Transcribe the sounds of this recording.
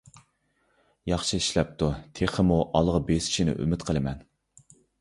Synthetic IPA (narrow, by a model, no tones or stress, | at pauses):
jɑχʃɨiʃlɛp̚t̪ut̪ʰeχəmuʔɑlˠʁɑbesi̥ʃinɪ̰ʔy̰mɪt̪qʰəlˠɨmɛn